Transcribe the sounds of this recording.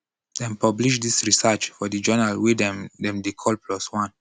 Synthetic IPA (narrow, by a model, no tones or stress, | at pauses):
dɛ̃npabliʃdisɹisɛt͡ʃfɔdəd͡ʒɛnalwidɛ̃mdɛ̃mdikʰɔlpʰlɔswãn